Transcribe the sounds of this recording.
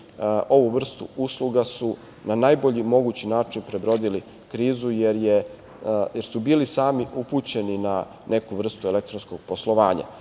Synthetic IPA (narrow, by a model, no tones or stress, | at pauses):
o̞ʋuʋr̩st̪ṵuslˠuɡasu | nanajboʎimo̞ɡut͡ɕinaːt͡ʂinpɾebɾo̞d̪ili | kɾiːzujeɾje | jeɾsubiːlisaːmiupuːt͡ɕe̞nina | ne̞kuʋr̩st̪ue̞lekt̪ɾonskoɡ̥̚poslˠo̞ʋaːɲa̰